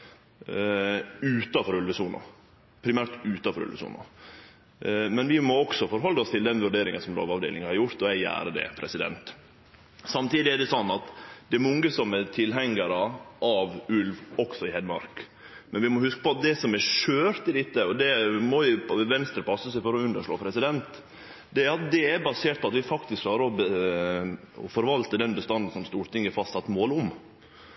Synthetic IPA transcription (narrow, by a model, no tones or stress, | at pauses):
ʉːt̪ɑfɔɾʉlʋəsuːnʔʊ̰ | pʰɾɪmæːɾt̪ʉːt̪ɑfɔɾʉ̰lʋəsṵːnʊ̰ | mɛnʋɪmɔɔksɔfɔɾɦɔlːəɔst̪ʰɪld̪ɛnʋʉɖeːɾɪŋənsɔmlo̰ːʋɑʋd̪ḛlɪŋhɑɾjʊɾt̪ɔæɪæ̰ːɾəd̪ɛ̰pʰɾɛsɪd̪ɛ̰nt̪ | sɑmt̪iːd̪ɪæɖɛsɔnːɑt̪d̪ɛɾmɔŋːəsɔmɛɾt̪ʰɪlɦɛŋːəɾəʔɑʋʉlʋɔksɔɪhɛd̪mɑ̰ɾk | mɛnʋɪmɔhʉskə̥pɔɑt̪̚d̪ɛsɔmɛʃøːɾt̪ɪd̪ɪt̪ːəɔd̪ɛmɔɪʋɛnst̪ɾəpʰɑsːəsæɪfɔɾɔʉnd̪əʂɭoːpʰɾɛsɪd̪ɛnt̪ | d̪ɛɑt̪̚d̪ɛɛɾbɑseːʈ̪̚pʰɔɑt̪ʋɪfɑkt̪ɪskʰːlɑːɾəɔbə | ɔ̰fɔɾʋɑlt̪əd̪ɛnbəst̪ɑnd̪ən̩sɔmst̪uːɾt̪ɪŋːəfɑst̪sɑt̪ːmoːlʊm